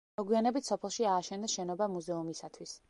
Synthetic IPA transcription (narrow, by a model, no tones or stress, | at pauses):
ɔɡwianɛbit̪ʰsɔpʰɛlˠʃiaːʃɛnd̪ɛʃɛnɔbamuzɛumisat̪ʰwis